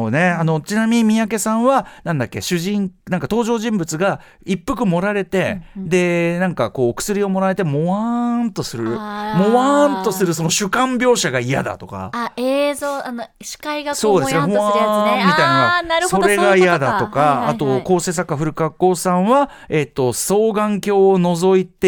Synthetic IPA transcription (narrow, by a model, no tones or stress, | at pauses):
oːne̞ano̞t͡ɕinamʲimʲijak̬e̞sãɰ̃βanãnd̪akʲːe̞ɕɨʑĩŋnãŋkat̪o̞ːʑo̞ːʑĩmbɯ̟t͡sɨɡa | ipːɯkɯ̟mo̞ɾaɾe̞t̪e̞d̪e̞nãŋkako̞ːkɯ̟̥sɨɾʲio̞mo̞ɾae̞t̪e̞moβant̪o̞sɨɾɯ̟moant̪o̞sɨɾɯ̟so̞no̞ɕɨkãmbʲjo̞ːɕaɡaija̰d̪a̰t̪o̞ka̰ezoːano | ɕi̥kaiɡaso̞ːd̪esɨnehoamːit̪ainaɾso̞ɾe̞ɡaijad̪at̪o̞kaːt̪o̞ko̞ːse̞ːsakːaɸɯ̟ɾɯ̟kakːo̞ːsãɰ̃βa | e̞t̪ːo̞so̞ːɡãŋkʲo̞ːno̞zo̞it̪e